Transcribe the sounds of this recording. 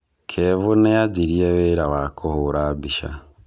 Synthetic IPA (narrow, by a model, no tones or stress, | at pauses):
kʰevunejaɟiɾieβeɾawakʰohuɾabiʃa̰